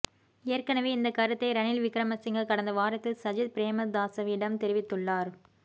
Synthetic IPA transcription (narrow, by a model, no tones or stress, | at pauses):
ejɐrkɐnɐʋeːɪnd̪ɐkɐɾɯt̪ːɐɪɾɐnɪlʋɪkɾɐmɐsɪŋɡɐkɐɽɐnd̪ɐʋaːɾɐt̪ːɪlsɐd͡ʒɪd̪̚pɪɾeːmɐd̪aːsɐʋɪɽɐmt̪ɛɾɪʋɪt̪ːɯɭːaːɾ